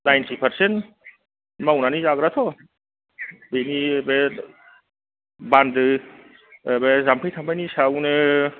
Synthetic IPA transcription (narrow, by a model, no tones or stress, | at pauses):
najntʰipʰəɾsen | mawnanizaɡɾat̪ʰɔ | benibe | bandɯ | bezamkʰɯjt̪ʰambʰajnisawnɯ